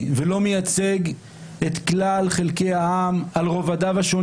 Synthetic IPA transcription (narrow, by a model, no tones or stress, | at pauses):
velo̞mejat͡se̞ɡ | et̪klalχe̞lke̞jaamalʁo̞vad̪avaʃo̞